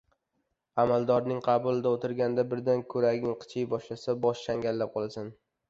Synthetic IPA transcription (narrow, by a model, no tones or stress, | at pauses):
amalˠd̪ɒɾnɪŋqʰɑbʊlˠɪd̪aot̪ʰɪɾɡʲand̪abɪɾd̪ankʰɵɾaɡʲɪŋqʰɨ̥t͡ʃʰɪjbɒʃlasabɒʃʃaŋɡʲallːap̚qʰɒlˠasan